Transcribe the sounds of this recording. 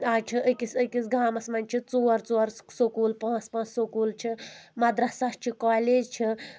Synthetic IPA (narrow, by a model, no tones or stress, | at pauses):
aːt͡ʃʰiʔəkisəkisɡaːmɐsmɐnʲt͡ʃʰit͡soːɾt͡soːɾsokuːlpãːt͡spãːt͡ssokuːlt͡ʃʰimɐd̪ɾasast͡ʃʰikaːleːd͡ʒt͡ʃʰi